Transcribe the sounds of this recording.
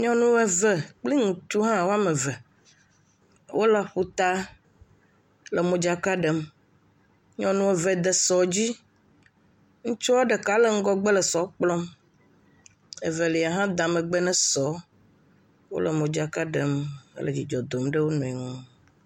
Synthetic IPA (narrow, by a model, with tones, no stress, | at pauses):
ɲɔ̃˦nũ˦ɛ˦vɛ˦k͡pli˦ŋũ˨t̪u˦ɦã˦wo˦a˦mẽ˨vɛ˨ | wʔo˦la˨ɸu˦t̪a˦ | le˨mõ˨d͡ʒa˨ka˦ɖɛ˨m | ɲɔ̃˦nũ˦ɛ˨vɛ˦d̪ɛ˨sɔ˨d͡ʑi˦ | ŋũ˦t͡ʃɔ˦a˦ɖe˨ka˨le˨ŋ̩˦ɡɔ˦ɡ͡be˦le˨sɔ˨˦k͡plɔ̃˦m | e˨ve˨li˨a˨ɦã˦d̪ã˨mẽ˨ɡ͡bɛ˦nɛ̃˦sɔ˨˦ | wo̰˦le˨mõ˨d͡ʒa˨ka˦ɖe˨mḛ˦le˨d͡ʑi˨d͡ʒɔ˨d̪o˨mɖe˦wo˦nɔ̃˨i˨ŋũ˦